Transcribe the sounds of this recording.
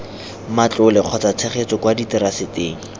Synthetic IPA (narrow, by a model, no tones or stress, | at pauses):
mat͡ɬʊlɪq͡χʰɔt͡sat͡sʰeχet͡sɔkwaditɪɾasɪteːŋ̩